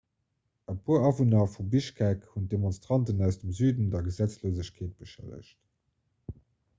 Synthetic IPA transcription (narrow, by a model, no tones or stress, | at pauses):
əpʰuːɐɑvunɑfubiʃkʰækhunt̚d̥emonstʁ̥ɑntənæʊsd̥əmzyːdəndɐɡəzæt͡sloːzəɕkʰeːt̚b̥əʃæ̰lə̰ɕt